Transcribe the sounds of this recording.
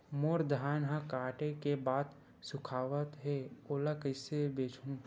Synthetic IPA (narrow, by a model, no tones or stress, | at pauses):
moːɾd̪ʱaːnɦãkaːʈekebaːd̪ | sʊkʰaːʋət̪ɦeoːlakəsebeːt͡ʃʰũ